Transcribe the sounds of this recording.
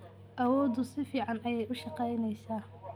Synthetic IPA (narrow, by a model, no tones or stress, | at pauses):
ʔɐwɔːd̪ʊsɪfiːʕɑnʔɐjɛjʔʊʃɑqɛjnɛjsaː